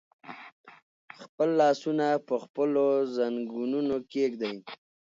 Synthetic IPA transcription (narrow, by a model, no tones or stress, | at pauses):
xpəlːɑsunapəxpəlozaŋɡununokekd̪aj